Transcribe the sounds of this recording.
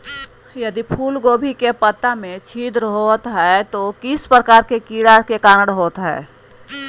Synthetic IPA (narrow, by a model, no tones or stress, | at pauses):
jəd̪ipʰuːlɡoːbʱikepət̪amẽt͡ʃʰiːd̪ɾɦot̪ɦɛt̪okɪspɾəkaːɾkekiːɽakekaːnəɽɦoːt̪ɦɛ̰ː